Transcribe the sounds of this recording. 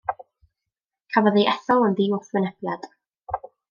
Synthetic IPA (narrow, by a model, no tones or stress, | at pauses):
kʰavaðeʔɛθɔlˠənðiːɔθwənɛb̥jad̥